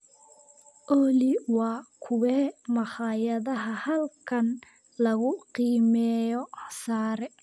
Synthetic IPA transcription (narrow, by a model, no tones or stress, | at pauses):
ʔɔliwɑːkʰʊwɛːmɑχɑːjɐðɐɦɐhɐlkʰɐn | lɐɣʊqiːmɛːjɔsaːɾɛ